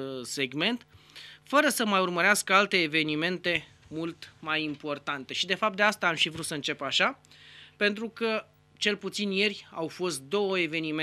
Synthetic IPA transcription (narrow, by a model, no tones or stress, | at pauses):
se̞ɡme̞nt̪ | fəɾəsəmajurməɾeaskəalt̪e̞ːve̞nime̞nt̪e̞ | mult̪majimpo̞rt̪ant̪e̞ʃid̪e̞fap̚t̪d̪east̪aːmʃivɾut̪səɨnt͡ʃe̞paʃa | pe̞nt̪ɾukə | t͡ʃe̞lput̪sinje̞rʲawfo̞st̪̚d̪o̞wəe̞ve̞nime